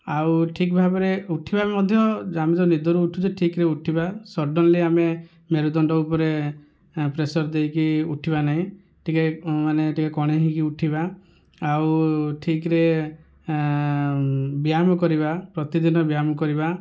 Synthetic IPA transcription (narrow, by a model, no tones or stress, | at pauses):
awʈʰikbʱabɔɾeuʈʰibamɔd̪ʱjɔamed͡ʒɔnid̪ʱɔɾuːʈʰud͡ʒeʈʰikɾeuʈʰibasɔɾɖɔnleame | meɾud̪ɔɳɖɔupɔɾe | pɾesɔɾd̪ejkiuʈʰibanaɦĩ | ʈʰikemaneʈʰikakɔɽ̃eɦĩkiuʈʰibaː | wʈʰikɾe | biamɔkɔɾibapɾɔt̪id̪inɔbiamɔkɔɾiba